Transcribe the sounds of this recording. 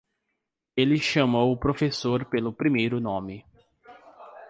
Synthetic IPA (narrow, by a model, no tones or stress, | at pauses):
elɪʃɐmowʊpɾofesoɾpelʊpɾimejɾʊnõmɪ